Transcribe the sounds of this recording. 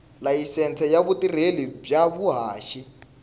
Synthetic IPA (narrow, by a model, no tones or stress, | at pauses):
lajisɛnt͡sʰɛjaβutirelib͡ʐjaβuɦaːʃi